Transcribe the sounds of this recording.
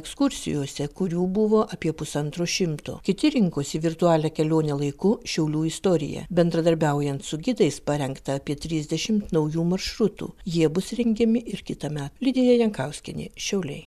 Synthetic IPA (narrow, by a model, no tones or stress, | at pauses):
ɛkskʊɾʲsʲɪ̰joːsʲɛkʊɾʲuːbʊʋoːʔɐpʲiɛpʊsɐnt̪ɾoːʃʲɪmt̪o̰ːkʲɪt̪ʲɪɾʲɪŋkoːsʲɪʋʲɪɾt̪ʊɑːlʲɛːkʲɛlʲoːnʲɛːlˠɐɪkʊʃʲɛʊlʲuːɪst̪oːɾʲɪ̰jɛ̰bʲɛnd̪ɾɐd̪ɐɾʲbʲɛʊjɛnt̪sʊɡʲɪd̪ɐɪspɐɾʲɛŋkt̪ɐɐpʲiɛt̪ʲɾʲɪzʲd̪ʲɛʃʲɪmt̪nɐʊjuːmɐɾʃɾʊt̪ṵːjiɛbʊsɾʲɛŋʲɡʲɛmʲɪʔɪɾkʲɪt̪ɐmʲæːt̪lʲɪd̪ʲejɛjɛŋkɐʊsʲkʲɛnʲɪ̰ːʃʲɛʊlʲɛɪ